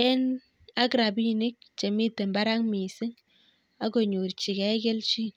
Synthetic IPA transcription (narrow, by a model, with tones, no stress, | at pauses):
ɛ˦n | a˦kɾa˨bi˦nɪ˦k̚t͡ʃe˨mi˦tːe˨mba˦ɾa˦ŋmi˨sɪ˦ŋ | a˦ko˨ɲu˨ɾt͡ʃi˨kɛ˦ke˦lt͡ʃi˦n